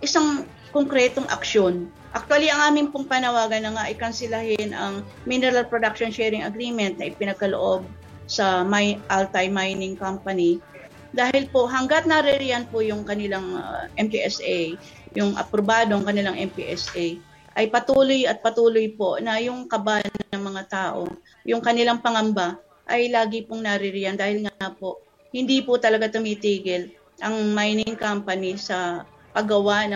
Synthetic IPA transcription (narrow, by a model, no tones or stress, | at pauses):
ʔɪsaŋ | koŋkɾɛt̪oŋʔɐ̰kʃo̞n | ʔɐk̚t̪waliʔɐŋʔaːmɪŋpʊŋpanɐwaːɡɐnːɐŋaʔɐjkɐnsɪlahɪnʔɐŋ | minɛɾɐlpɾod̪akʃonʃɛːɾɪŋɐɡɾiːmɛnt̪̚nɐʔɪpɪnɐɡ̚kɐlo̰ʔo̞b̚ | sɐmajʔalt̪ajmajnɪŋkampɐni | d̪aːhɪlpo̞ʔɦɐŋɡɐt̪̚nɐɾɛɾɪjanpʊjʊŋkɐnɪlaŋʔɛmpiʔɛsaj | jʊŋʔɐ̰pɾobaːd̪oŋkɐnɪlaŋʔɛmpḭʔɛsʔɛj | ʔɐjpɐt̪uːlojɐt̪̚pɐt̪uːlojponɐjʊŋkɐbanɐɐŋmɐŋat̪aːʔo̰ | jʊŋkɐnɪlaŋpɐŋɐmba | ʔɐjlaːɡɪpʊŋnɐɾɪɾɪjand̪aːhɪlŋapo̞ʔ | hɪnd̪ipʊt̪ɐlɐɡat̪ʊmiːt̪iːɡɪl | ʔɐŋmajnɪŋkampɐnɪsɐ | pɐɡɐwanɐ